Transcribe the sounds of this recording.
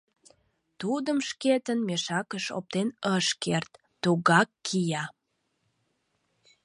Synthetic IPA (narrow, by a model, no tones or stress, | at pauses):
t̪ud̪əmʃket̪ənmeʃɑkəʃo̰p̚t̪enəʃkert̪ːuɣɑkːijɑ